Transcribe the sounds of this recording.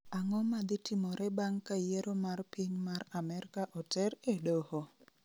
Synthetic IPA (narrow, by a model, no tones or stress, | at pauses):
aŋɔmad̪ɪtɪmɔɾɛbaŋkajeɾomarpiɲmaramɛɾkaʔɔtɛɾedoho